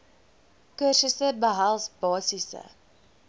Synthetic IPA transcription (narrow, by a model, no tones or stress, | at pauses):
kərsəsəbəɦælˠsbɑːsisə̰